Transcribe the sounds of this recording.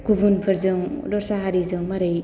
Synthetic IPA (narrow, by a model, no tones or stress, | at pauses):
kubunpʰɯɾzɯŋ | dɔɾsaɦaɾizɯŋmaɾɯj